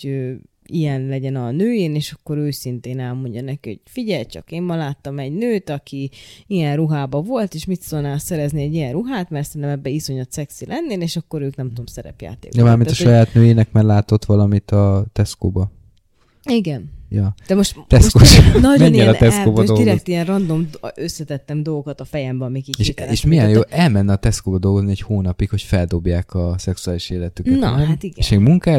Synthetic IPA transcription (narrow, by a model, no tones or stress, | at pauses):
øːijɛnlɛɟɛnɒnøːjeːneːʃɒkːo̞ɾøːsint̪eːnɛlmo̞ɲɟɒnɛkiho̰ɟfiɟɛlt͡ʃɒ̰keːmmɒlaːt̪ːɒmɛɟnøːt̪ɒkiijɛnruɦaːbɒvo̞lt̪eːʃmit̪solnaːlsɛɾɛzniɛɟijɛnruɦaːt̪mɛrt̪sɛnt̪ɛmɛbːɛiso̞ɲɒt̪sɛksilʔɛnːeːleːʃɒkːo̞ɾøːknɛmt̪uomsɛɾɛ̰pja̰ːt̪ḛːk̪ɛmaːmiɔʃɒjaːt̪nøːjeːnɛkmɛɡlaːt̪o̞t̪ʋɒlɒmit̪ɒt̪ɛskoːbɒ | iɡɛnjɒd̪̥ɛmoʃt̪ɛskoːʃnɔmɛɲːɛlɒt̪ɛskoːbɒd̪oiɡɾɛokt̪iɛnrɒnd̪o̞møsːɛt̪ɛt̪ːɛmd̪o̞lɡo̞kɒt̪ɒfɛjɛmbɛɒmikieʃeːʃmijɛnjoːʔɛlmɛnːɛɒt̪ɛskoːbɒd̪o̞lɡo̞zniɛchoːnɒpikho̞cfɛld̪o̞bjaːkɒsɛksuaːliʃeːlɛt̪ykn̰t̪iɡʃeɡmuŋkaː